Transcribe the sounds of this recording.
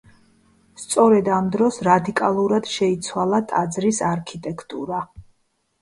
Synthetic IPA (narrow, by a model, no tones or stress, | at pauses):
st̪sʼɔɾɛd̪amd̪ɾɔsɾad̪ikʼalˠuɾad̪̥ʃɛit̪sʰwalˠat̪ʼad̪zɾisaɾkʰit̪ʼɛkʰt̪ʼuɾa